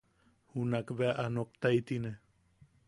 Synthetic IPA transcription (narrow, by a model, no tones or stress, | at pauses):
hunakβeaʔanokt̪ait̪ine